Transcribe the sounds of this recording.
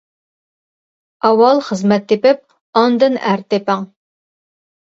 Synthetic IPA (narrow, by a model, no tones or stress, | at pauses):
ɑwɑlˠχəzmɛt̪ʰːepɪp̚ | ɑnd̪ɨnæɾt̪ʰepɪŋ